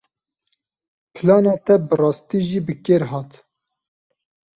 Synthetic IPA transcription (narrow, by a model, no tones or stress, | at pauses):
pʰɨlɑːnɑːt̪ɛbɨrɑːst̪iːʒiːbɨkeːɾɦɑːt̪